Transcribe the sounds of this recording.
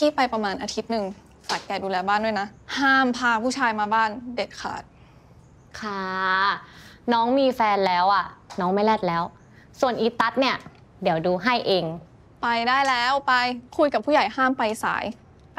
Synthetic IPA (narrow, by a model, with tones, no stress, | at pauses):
kʰi˥˩pa˧jpa˧maː˧nʔaː˧t̪ʰi˦˥t̪̚nɯ˨˩ŋ | ka˨˩t̪̚kɛː˧˩duː˧lɛː˧baː˥˩ndu˥˩˨jna˦˥haː˥˩mpʰaː˧pʰuː˥˩t͡ɕʰaː˧jmaː˧baː˥˩nde˨˩t̪̚kʰa̰ː˨˩t̪̚ | kʰa˥˩ | nɔː˦˥ŋmiː˧fɛː˧nlɛː˦˥wʔa˨˩nɔː˦˥ŋma˥˩jlɛː˥˩t̪̚lɛː˦˥w | su˨˩ənʔiː˧˩t̪a˦˥t̪̚ni˥˩ɐ | di˩˦əwduː˧ɦa˥˩jʔeː˧ŋ | pa˧jdaː˥˩jlɛː˦˥wpa˧jkʰu˧jka˨˩pʰu˥˩ja˨˩jhaː˥˩mpa˧jsa̰ː˩˦j